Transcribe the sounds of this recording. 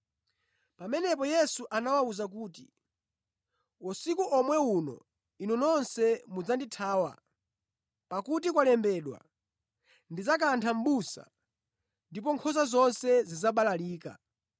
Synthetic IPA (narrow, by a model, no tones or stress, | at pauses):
pamɛnɛpɔjɛsuʔanawauzak̬uːti | wɔsikuʔɔmwɛunɔ̰ | inɔnɔnsɛmud͡zanditʰaːwa̰ | pakutik̬walɛmbɛːɗwa̰ | ndid͡zak̬antʰam̩ɓusa̰ | ndip̬ɔŋkʰɔzazɔnsɛzizaɓalaliːka̰